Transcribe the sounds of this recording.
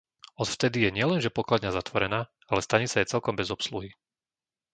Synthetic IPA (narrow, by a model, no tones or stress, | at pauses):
ɔt̪ft̪ɛd̪ijɛɲɪɛlɛnʒɛpɔklad̪ɲazat̪ʋɔɾɛnaː | alɛst̪aɲisajɛt͡sɛlkɔmbɛzɔpsluɦi